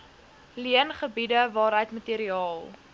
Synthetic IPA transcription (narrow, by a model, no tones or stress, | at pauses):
liənχəbidəvɑːɾɦəjtmətiəɾiɑːlˠ